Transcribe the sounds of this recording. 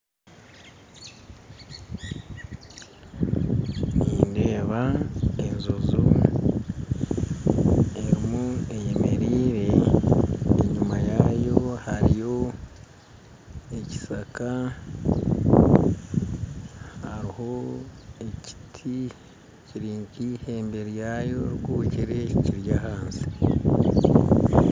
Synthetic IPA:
niːnde̞ːβae̞nzozu | e̞ɾimue̞jeme̞ɾiːɾe̞ː | ɲumajajo̞haɾijo̞ | e̞ci̥saka | haɾiho̞eci̥tʰi | ciɾiːɲkihe̞ːmbe̞ɾjaːjo̞ɾɡuːciɾe̞ciciɾjaɦaːnsi̥

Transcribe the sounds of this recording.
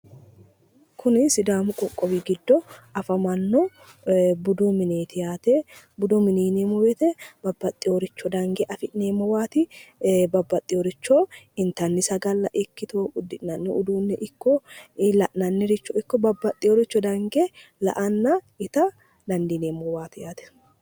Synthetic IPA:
kʰʊnɪsɪd̪aːmʊkʼɔkʼːɔwiɡɪd̪ːɔɐfɐmɐnːɔ | bʊd̪omɪneːt̪ɪjaːt̪e | bʊd̪omɪniːnemɔwɛt̪ɛbɐbːɐt̪ʼːɪjoːɾɪt͡ʃːɔd̪ɐŋɡeʔɐfɪʔneːmːɔwaːt̪ɪbɐbːɐt̪ʼːɪjoɾɪt͡ʃːoːɪnt̪ɐnːɪsɐɡɐlːɐʔɪkːɪt̪oːʊd̪ːɪʔnɐnːɛʊd̪uːnːɛʔɪkːɔɪlɐʔnɐnːɪɾɪt͡ʃːɔɪkːɔbɐbːɐt̪ʼːɪoɾɪt͡ʃːɔd̪ɐŋɡelɐ̰ʔɐnːɐ | ɪt̪ɐ | d̪ɐnd̪iːneːmːɔwaːt̪ɪjaːt̪ɛ̥

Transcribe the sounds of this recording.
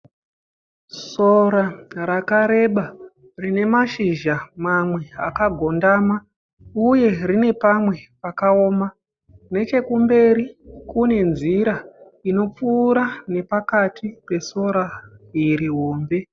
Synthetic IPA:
so̞ɾaɾakaɾe̞ɓa | rine̞maʃiʒamamwe̞a̰kaɡʱo̞ndaːma | uje̞rine̞pamwe̞pakao̞ːma | ne̞t͡ʃe̞kumbe̞ɾikune̞nziɾa | ino̞p͡fuːɾane̞pakatʰipe̞so̞ɾaiɾiɦo̞ːmbe̞

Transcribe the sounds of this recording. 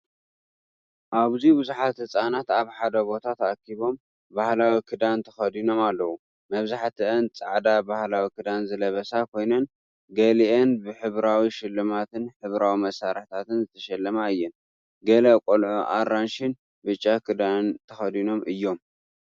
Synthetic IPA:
ʔaβzibɨzuħat̪hɨt͡sʼanat̪aβħad̪ɐbo̞t̪ʰat̪ʰakʰːiβo̞m | bahlawikʰɨd̪ant̪ʰɐ̥xɐd̪ino̞malːɐwu | mɐβzaħt̪ʰɨʔɨnt͡sʼaʕd̪abahlawikʰɨd̪anzɨlɐβɐsakʰo̞jnɐn | ɡɐliʔenbɨħɨβɾawiʃɪlːɨmat̪ɨnħɨβɾawimɐsaɾɨħt̪ʰat̪ɨnzɨt̪ʰɐʃɐlːɐmaɨjːɛn | ɡɐlɐkʼolʕoʔa̰ɾanʃɪn | bɨt͡ʃʼːakʰɨd̪ant̪ʰɐxɐd̪ino̞mʔɨjːo̞m

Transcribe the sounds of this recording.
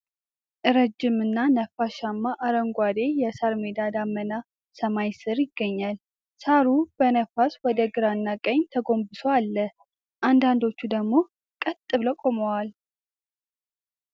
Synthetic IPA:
ʔɨɾəd͡ʒːɪmɨnːanəfaʃamːaʔaɾəŋɡʷwad̪e̞jɛsaɾmed̪ad̪amːəna | səmajsɨɾjɪɡːəɲːal | saɾub̥ənəfaswɔd̪əɡɨɾanːakʼəɲt̪ʰəɡo̞mbɨsʰoalːə | ʔand̪and̪o̞t͡ʃːud̪əɡmo̞ | kʼət̪ʼːɨβləkʼoməwal

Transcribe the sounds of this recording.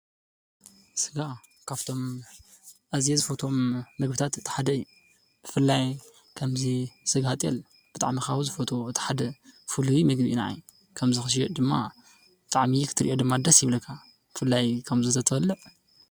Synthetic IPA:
sɨɡa | kʰaβt̪ʰo̞m | ʔazjezɨfot̪ʰo̞mːɨɡbɨt̪ʰat̪ɨt̪ʰːi̥ħad̪ɐɨjːu | b̥ɨfɨlːaj | kʰɐmzisɨɡhat̪ʼɛ̰l | b̥ɨt̪ʼa̰ʕmixawuzɨfot̪ʰo̞ɨt̪ʰi̥ħad̪ɐfɨlumɨɡbʔina̰j | kʰɐmzɨxɨʃ̬jɛd̪ɨmːa̰ | bɨt̪ʼaʕmikʰɨ̥t̪ʰːɨɾiʔod̪ɨmːad̪ɐsjɪβlɐkʰːa | b̥ɨfɨlːajkʰɐmzɨt̪ʰɐt̪ʰfɐlːɨʕ

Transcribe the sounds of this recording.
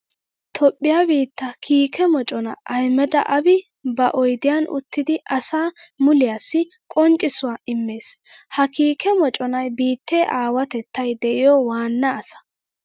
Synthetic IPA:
t̪ʰɔpʼːɪjaːbiːt̪ːɐkʰiːkʰɛmɔt͡ʃʼɔnɐ̰ʔɐjmɛd̪ɐ̰ʔɐbɪ | bɐʔɔjd̪ɪjanʔʊ̰t̪ːɪd̪ɪʔɐsaːmʊlɪjaːsːɪ | kʼɔnt͡ʃʼːɪsʊwaːɪmːe̞ːshɐkiːkɛmɔt͡ʃʼɔnɐjbiːt̪ːeːʔaːwɐt̪ɛt̪ːɐjd̪ɛʔɪjɔwaːnːɐːsɐ̥

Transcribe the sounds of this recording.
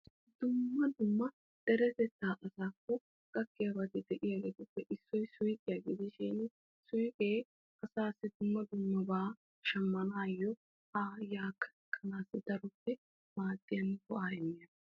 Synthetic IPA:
d̪ʊmːɐd̪ʊmːɐ | d̪̥ɛɾɛt̪ɛt̪ːaːʔɐsaːkːɔ | kʼɐkːɪjabɐt̪ɪd̪ɛʔɪjaɡeːt̪ʊpːɛʔɪsːɔjsʊjkʼɪjaːɡɪd̪ɪʃɪn | sʊjkʼeː | ʔɐsaːsːɪd̪ʊmːɐd̪ʊmːɐbaː | ʃɐmːɐnaːjɔ | haːjaːkːɐ̥ | kʰʼːɐnaːsːɪd̪ɐɾʊpːɛ | maːd̪ːɪjɐnːkɔʔaːjɛmːɪjɐn

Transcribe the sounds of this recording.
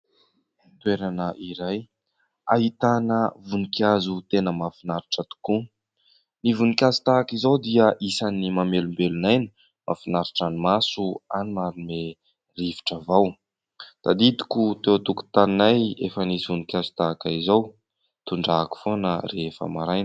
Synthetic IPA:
t̪weɾanəʔiɾaj | aɦit̪anəvunikʲjazut̪enəmafinaɾiʈ͡ʂət̪u̥ku | nivunikʲazu̥t̪akizawd̪iəʔisanimamelumbelunajni̥ | mafinaɾiʈ͡ʂanimasuanimaɾume | riviʈ͡ʂəvaw | t̪ad̪id̪i̥kut̪ewt̪uku̥t̪aninajefənisivunikʲazu̥t̪aakaizaw | t̪uɳɖ͡ʐaku̥fonərefə̰maɾajn

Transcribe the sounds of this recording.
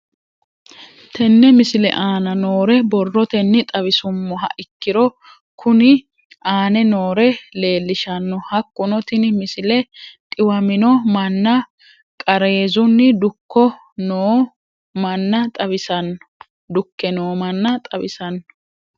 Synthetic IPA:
t̪ʰɛnːɛmɪsɪlɛ̰ʔaːnɐnoːɾɛbɔrːɔt̪ɛnːɪt̪ʼɐβɪsʊmːɔɦɐ̰ʔɪkːɪɾɔ | kʰʊnɪ | aːnɛnoːɾɛle̞ːlːɪʃɐnːɔhɐkːʊnɔt̪ɪnmɪsɪlɛt̪ʼɪwɐmɪnɔmɐnːɐ | kʼɐɾeːzʊnːɪd̪ʊkːɔ | noː | mɐnːɐt̪ʼɐbɪsɐn | d̪ʊkːɛnoːmɐnːɐt̪ʼɐbɪsɐnːɔ̥

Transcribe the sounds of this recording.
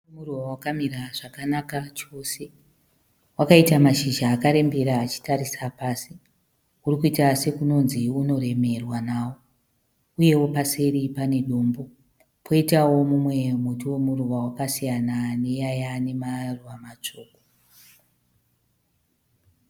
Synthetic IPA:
omuruwawakamiɾaʐakanakat͡ʃo̞se̞ | wakaitamaʃiʒaːkaɾe̞mbeɾaːt͡ʃi̥taɾisapaːsi | urikuitase̞kuno̞nziuno̞ɾe̞me̞rwanaːwo̞ | uje̞wo̞pase̞ɾipane̞ɗo̞ːmbo | pʰo̞itawo̞mumwe̞mutuwe̞muruwawakasijanane̞jajane̞maruwamat͡ʂo̞ːko

